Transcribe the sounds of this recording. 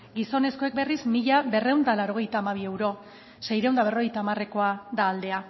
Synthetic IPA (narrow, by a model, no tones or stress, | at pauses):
ɡiso̞ne̞sko̞ek̚be̞rizmiʎabe̞re̞wnd̪alawɾo̞ɣ̞e̞jt̪aːmaβ̞ie̞wɾo̞ | se̞jɾewnd̪aβ̞e̞ro̞ɣejt̪aːmare̞ko̞ad̪aːld̪e̞a